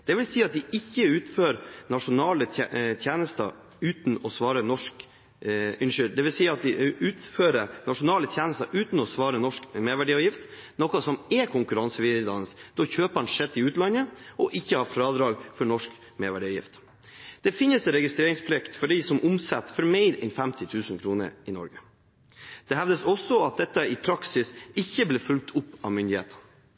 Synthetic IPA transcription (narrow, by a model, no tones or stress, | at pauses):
d̪̥ɛʋɪlsiːɑt̪̚d̪ɪɪçːəʉːt̪føːɾnɑʂʊnɑːlət̪ʰjeːnəst̪ə̰ | ʉːt̪nɔsʋɑːɾənɔʂk | ɪnʂʏd̪d̪ɛʋɪlsiːɑt̪̚d̪ɪʉːt̪føːɾənɑʂʊnɑːlət̪ʰjeːnəst̪əʉːt̪n̩ɔsʋɑːɾənɔʂkmeːɾʋæɖiːɑːjɪft̪ | nɔkɑsɔmɛkʰʊŋkʉɾɑnsəʋɪd̪ɑ̰nəsd̪̥ɔçøːpəɑnʂɛt̪ːɪʉːt̪lɑnəɔʔɪçːəhɑːfɾɑːd̪ɾɑːɡfɔɾɳɔʂk | meːɾʋæɖiːɑːjɪ̰ft̪ | d̪̥ɛfɪnəsɛɾɛɡɪst̪ɾeːɾɪŋspʰɾlɪkt̪fɔɖiːsɔmʔʊmsɛt̪ːfɔɾmæɪɾɛnfɛmt̪ʰɪt̪ʰʉːsnkʰɾuːnə̰ɾɪnɔ̰ɾɡə | d̪̥ɛhæʋd̪əsɔsːɔɑt̪̚d̪ɛt̪ːəɪpʰɾɑksɪsɪçːəbleːfʉlk̚t̪ʰʊpːɑʋmʏnd̪ɪhḛːt̪ʰə̥n